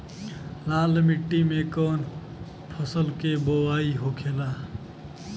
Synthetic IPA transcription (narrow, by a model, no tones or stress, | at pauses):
laːlmiʈːimekɔːn | pʰəsəlkebowaːiɦokʰeːla